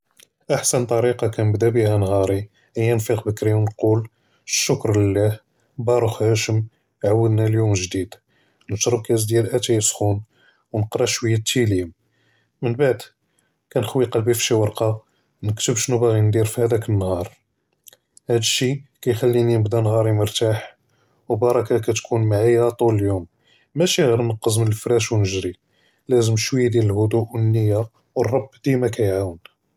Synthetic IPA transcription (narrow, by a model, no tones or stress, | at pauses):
ʔaħsənt̪ˤɑɾiqɑkænəbd̪æbihænhɑɾˤi | ʔəjːænfiqbəkɾiwnqul | ʃːʊkɾləlːæh | bɑɾˤuxhæʃəm | ʕawːəd̪næljuməʒd̪id̪ | nəʃɾəb̚kæs̬d̪jælʔæt̪æjəsxun | wnəqɾˤɑʃwəjːæt̪ʰːiliəm | mənbaʕd̪ | kænəxwiqɑlbifʃiwɑɾˤqɑ | nəkt̪əbʃnubæɣind̪iɾfihæd̪ækənːhɑɾˤ | hæd̪əʃːikæjxælːininəbd̪ænɣɑɾˤimʊɾˤt̪aħ | wbɑɾˤɑkækæt̪kʰunmaʕajːæt̪ˤuləljumː | æʃiɣiɾnəqːəzmənəlfɾæʃwnəʒɾi | læzəmʃwəjːad̪jæləlhʊd̪uʔwənːəjːa | wərˤːɑbːd̪̥imækæjʕawən